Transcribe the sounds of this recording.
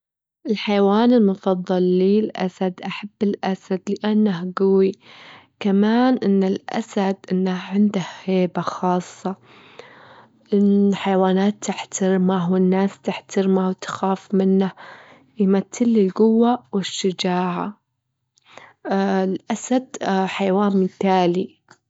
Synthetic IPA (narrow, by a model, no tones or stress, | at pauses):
ʔɪlħajwaːnɪlmʊfɑðˤːɑlːiːlʔa̰sad̪ʔaħabːɪlʔasad̪lɪʔanːahɡʊwikamaːnʔɪnːɪlʔa̰sad̪ʔɪnːaʕɪnd̪ahheːbaxɑːsˤːɑ | ʔɪnːħajwaːnaːt̪ːɪħt̪ʰaɾmawɪnːaːst̪ɪħt̪aɾmawt̪xaːfmɪnːah | jmat̪ːɪlːɪlɡʊwːawɪʃːad͡ʒaːʕa̰ | ɪlʔasad̪̥ħajwaːnmɪθaːli